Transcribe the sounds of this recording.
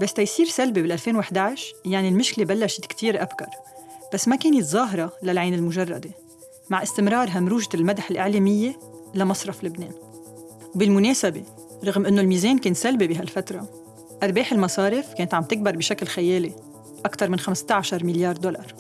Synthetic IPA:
bast̪ajsiːɾsalbebɪlʔalfeːnwɪħd̪aʕʃjaʕnilmɪʃkɪlebalːaʃɪ̥t̪kt̪ʰiːɾʔabkɑ̰ɾˤb̥asːmakeːnɪt̪zˤɑːɦɾˤɑlalʕaːnɪlmʊʒɑrˤːɑ̰d̪e | maʕʔɪst̪ɪmɾˤɑːɾˤɦamɾuːʒaɪlmad̪ħɪlʔɪʕleːmɪjːe | lamɑsˤɾˤɑflɪbneːn | wbɪlmʊneːsabe | ɾˤɑɣmʔɪnːolmiːzeːnkeːnsalbebɪɦalfat̪ɾˤɑ | ʔɑɾˤbeːħɪlmɑsˤɑːɾɪfkeːnt̪ʕamt̪ɪk̚bɑɾˤbɪʃaklxajeːli | ʔakt̪ɑɾˤmɪnxamst̪aʕaʃɑɾˤmɪljɑːɾˤd̪olɑ̰ɾˤ

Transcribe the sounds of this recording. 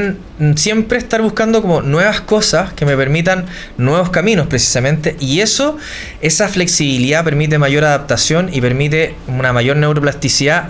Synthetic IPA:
n | sje̞mpɾehst̪aɾβuhkand̪okomo̞nwe̞βasko̞saskeme̞pe̞ɾmit̪anː | we̞βo̞skamino̞spɾesi̥samẽ̞nt̪e̞ʔie̞so | e̞safle̞ksiβiliðape̞ɾmit̪̬emaʝo̞ɾaðap̚t̪asjo̞nipe̞ɾmit̪̬e̞ | unamaʝo̞ɾne̞wɾoplast̪isiða

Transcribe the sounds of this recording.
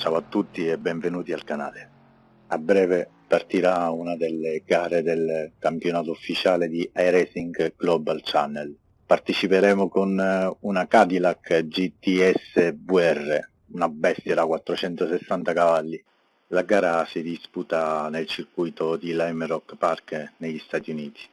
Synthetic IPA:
t͡ʃawat̪ːut̪ːiɛbːɛɱvenuːt̪ialkana̰ːle | abːɾɛːve | part̪iɾaunad̪ɛlːeɡaːɾed̪elkampjonaːt̪oufːit͡ʃaːled̪iʔajɾɛsiŋɡɡ̥lɔbalt͡ʃanːɛl | part̪et͡ʃipeɾɛːmokonunakad̪ilakːd͡ʒit̪ːiɛsːebwɛrːe | unabɛst̪jaɾakwat̪ːɾot͡ʃɛnt̪osesːant̪akavalːi | laɡaːɾasid̪isput̪anelt͡ʃirkujt̪od̪ilajmrɔkːparkneʎːist̪aːt̪iuniːt̪i̥

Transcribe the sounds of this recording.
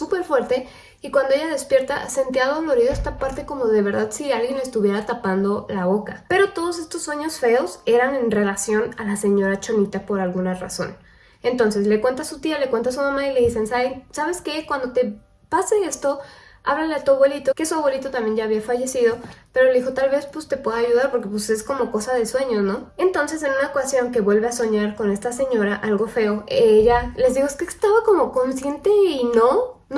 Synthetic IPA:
supe̞ɾfwe̞ɾt̪e̞ | ikwand̪oe̞ʝaðe̞spje̞ɾt̪a̰sent̪jiaðlo̞ɾiðoest̪apaɾt̪e̞ko̞mo̞ðe̞βe̞ɾðaðsialɣjenest̪uβje̞ɾat̪apand̪o̞laβo̞kape̞ɾo̞t̪o̞ð̞ose̞st̪osːwe̞ɲo̞sfe̞ose̞ɾane̞nre̞lasjo̞nalase̞ɲo̞ɾat͡ʃo̞nit̪apo̞ɾalɣunara̰so̞̰n | e̞nt̪o̞nse̞sle̞kwe̞nt̪asut̪ialekwe̞nt̪as̬umãmaile̞ðise̞nsaensaβ̞e̞ske̞kwand̪o̞t̪e̞ | pase̞e̞st̪o̞ | a̰βlaleat̪uaβwe̞lit̪okesuaβwe̞lit̪o̞t̪ambje̞nʝaːβiafaʝe̞sið̞o̞pe̞ɾoleðixo̞t̪alβe̞spust̪e̞pwe̞ðaʝuðaɾpo̞ɾke̞puse̞sko̞mo̞ko̞saðe̞swe̞ɲo̞sno̞e̞nt̪o̞nse̞s̬e̞nũnaokasjo̞ŋke̞βwe̞lβe̞aso̞ɲaɾko̞ne̞st̪ase̞ɲo̞ɾaʔalɣo̞fe̞o̞eʝale̞zðixoeskest̪aβako̞mo̞ko̞nsje̞nt̪e̞ino | n

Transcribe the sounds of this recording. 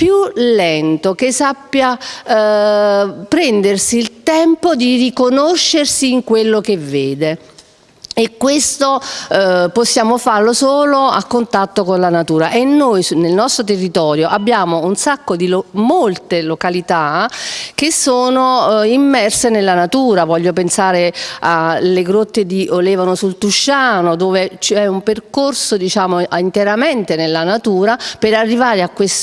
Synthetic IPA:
pjulːɛnt̪okesːapːja | pɾɛnd̪ersiːlt̪ɛmpod̪irikonoʃːersiːŋkwelːokevːeːd̪e | ekːwest̪o | posːjaːmofarlosoːloa̰kːont̪at̪ːokonlanat̪uːɾaʔenːojsnelnɔst̪ɾot̪̬erːit̪ɔːɾjoʔabːjaːmounsakːod̪imolt̪elokalit̪a | kesːoːnoimːɛrsenelːanat̪uːɾavɔʎːop̬ensaːɾealeɡɾot̪ːed̪iʔolɛːvanosult̪uʃːaːnod̪oːvet͡ʃɛumperkorsod̪it͡ʃaːmoint̪eɾament̪enelːanat̪uːɾapeɾarːivaːɾeakːwes

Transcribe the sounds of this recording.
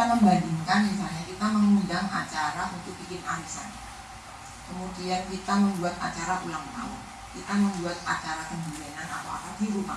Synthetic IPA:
kiaməmbadiŋkanmisalɲakit̪aməŋundaŋa̰t͡ʃaɾaunt̪ʊk̚bikɪnaɾisa̰n | kəmud̪iankit̪aməmbuat̪̚at͡ʃaɾaʔulaŋt̪a̰ʊ̰n | kit̪aməmbuat̪̚at͡ʃaɾakəmbulanana̰t̪awa̰kadiɾupa

